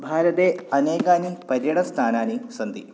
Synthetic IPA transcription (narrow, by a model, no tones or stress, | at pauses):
bʱaːɾɐd̪eɐneːɡaːnipɐɾjɐɽɐst̪ʰaːnaːnisɐnd̪i